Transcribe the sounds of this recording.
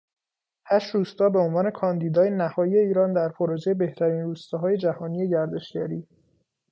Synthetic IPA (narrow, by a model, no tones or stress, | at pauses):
hæʃɾuːst̪ɒːbe̞onvɒːne̞kʰɒːnd̪iːd̪ɒːjenæhɒːjie̞iːɾɒːnd̪æɾpʰoɾoːd͡ʒejebe̞ht̪ʰæɾiːnɾuːst̪ɒːɦɒːje̞d͡ʒæhɒːnije̞ɟæɾd̪e̞ʃɟæɾiː